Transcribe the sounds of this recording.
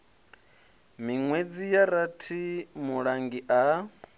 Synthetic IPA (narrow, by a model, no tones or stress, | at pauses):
miŋwed͡zijaɾatʰimuɺaŋɡiʔa